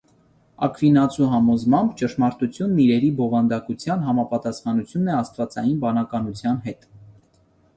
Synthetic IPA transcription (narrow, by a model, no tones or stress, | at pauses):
ɑ̰kʰvinɑt͡sʰuɦɑmɔzmɑmbt͡ʃəʃmɑɾt̪ut͡sʰjunːiɾɛɾibɔvɑnd̪ɑkut͡sʰjɑnɦɑmɑpɑt̪ɑsχɑnut͡sʰjunːɛɑst̪vɑt͡sɑ̰jinbɑnɑkɑnut͡sʰjɑnɦɛt̪